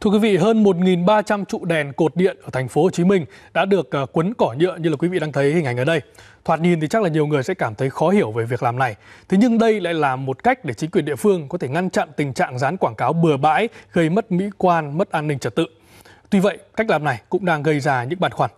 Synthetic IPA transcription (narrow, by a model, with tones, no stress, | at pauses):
t̪ʰu˧əkwi˨˦vḭ˧˨ɦəː˧nmo˨˩t̚ŋi˨˩nɓaː˧t͡ɕa˧mt͡ɕṵ˧˨ɗɛ˨˩nko˨˩t̚ɗḭ˧˨ənʔəː˧˩t̪ʰa˨˩ŋ̟fo˨˦ho˨˩t͡ɕi˨˦mï˧ŋ̟ɗa̰ː˧˥ɗɨ˨˩ək̚ːkːwə˨˦nkɔ˧˩ɲə̰˧˨əɲɨ˧laː˨˩kwi˨˦vḭ˧˨ɗaː˧t̪ʰə˨˦jhi˨˩ŋ̟ha˨˩ŋ̟ʔəː˨˩ɗə˧j | t̪ʰwaː˨˩t̚ɲi˨˩nt̪i˨˩t͡ɕa˦˥laː˨˩ɲi˨˩əwŋɨ˨˩əjsɛ̰˧˥kaː˧˩mt̪ʰə˨˦jxɔ˨˦hi˧˩əwve˨˩vi˨˩əklaː˨˩mna˨˩jt̪ʰe˨˦ɲɨ˧ŋɗə˧jla̰ː˧˨jlaː˨˩mːo˨˩t̚ka˦˥jk̟̚ɗe˧˩t͡ɕi˨˦ŋkwi˨˩ənɗḭ˧˨əfɨ˧əŋkɔ˨˦e˧˩ŋa˧nt͡ɕa̰˧˨nt̪ï˨˩ŋ̟t͡ɕa̰ː˧˨ŋzaː˨˦nkwaː˧˩ŋkaː˨˦wɓɨ˨˩əɓa̰ː˧˥jɣə˧jmə˦˥t̚mḭ˧˥kwaː˧nmə˦˥t̚ʔaː˧nːï˧ŋ̟t͡ɕə˨˩t̚t̪ɨ̰˧˨ | t̪wi˧və̰˧˨jka˦˥k̚laː˨˩mna˨˩jkʊ̰˧˥ŋ͡mɗaː˧ŋɣə˧jzaː˧ɲɨ̰˧˥ŋɓaː˨˩nxwaː˧˩n